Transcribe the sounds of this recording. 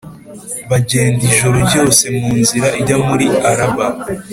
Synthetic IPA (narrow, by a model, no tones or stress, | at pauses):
βaɟe̞ːndiʒoɾobɟo̞ːse̞muːnziɾaiɟamuɾiaɾaba